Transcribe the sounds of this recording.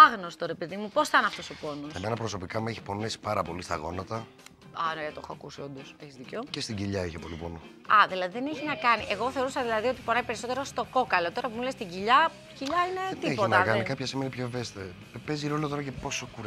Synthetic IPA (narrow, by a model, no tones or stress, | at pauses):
ɐɣnost̪o̞ɾe̞peðimupo̞sθɐnɐft̪osopo̞nusemenɐpɾo̞so̞pikɐmueçi̥po̞nesi̥pɐɾɐpo̞list̪ɐ̰ɣo̞̰nɐt̪ɐ | ɐnet̪o̞xɐːkusio̞nd̪oseçizðicocest̪iɟiʎɐiçepo̞lipono | ɐðilɐðiðeneçinɐkɐniʔe̞ɣo̞θe̞o̞ɾusɐðilɐðio̞t̪ipo̞nɐipe̞ɾiso̞t̪e̞ɾost̪o̞ko̞kɐlo̞t̪o̞ɾɐpumulest̪iɟiʎɐ | ciʎɐine̞t̪ieçpoinɐkɐnikɐpçɐsimenipçoevest̪eɐ | peziɾo̞lɐt̪o̞ɾɐcepo̞sokuɾ